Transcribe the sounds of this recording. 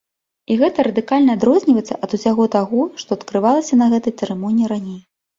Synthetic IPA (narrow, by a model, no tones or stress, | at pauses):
iɣɛt̪ɐɾɐd̪ɨkalʲnɐːd̪ɾɔzʲnʲivɐjt̪sːɐʔɐd̪usʲaɣɔt̪aɣɔʂt̪ɔɐt̪kɾɨvalˠɐsʲɐnɐɣɛt̪ɐjt̪sɛɾɛmɔnʲiːiɾanʲej